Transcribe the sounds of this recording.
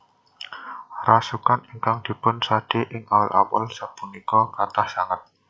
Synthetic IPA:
rasukaniŋkaŋd̥i̤pʊnsad̥eʔɪŋalʔa̰pə̰lsapunikɔkat̪ahsaŋat̪̚

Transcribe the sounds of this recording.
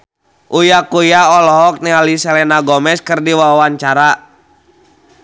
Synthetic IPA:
ʔujakujaɔlɔɦɔk̚nɛalisɛlɛnaɡɔmɛskɨrdiwawawaɲt͡ʃaɾa

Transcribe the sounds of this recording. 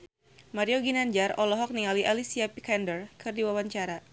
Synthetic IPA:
maɾioɡinaɲd͡ʒarɔlɔɦɔk̚niŋaliʔalisiapikɛndərkɨrdiwawaɲt͡ʃaɾa

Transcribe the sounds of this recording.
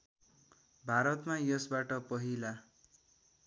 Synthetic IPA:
bʱaɾʌt̪majʌsbaʈʌpʌɦila

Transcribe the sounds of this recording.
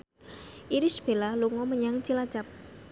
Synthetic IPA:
ʔiɾisb̥e̤laluŋɔməɲaŋt͡ʃilat͡ʃap̚

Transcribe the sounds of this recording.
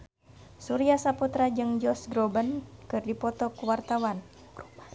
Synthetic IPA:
suɾiasaput̪ɾad͡ʒɨŋd͡ʒɔsɡɾɔbənkɨrdipɔt̪ɔkuwart̪awan

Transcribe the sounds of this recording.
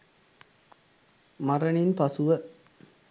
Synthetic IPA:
maɾəninpɐsuʋə

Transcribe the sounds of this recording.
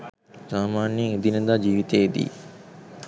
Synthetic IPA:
saːmaːneŋed̪inəd̪aːd͡ʒiːʋit̪eːd̪ḭː

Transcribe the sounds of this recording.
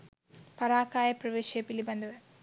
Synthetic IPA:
pɐɾaːkaːjɐpɾɐʋeːʃepilibɐnd̪ɐʋe

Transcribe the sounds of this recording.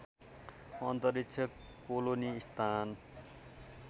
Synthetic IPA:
ʌnt̪ʌɾikt͡sʰʌk | poloniːst̪ʰan

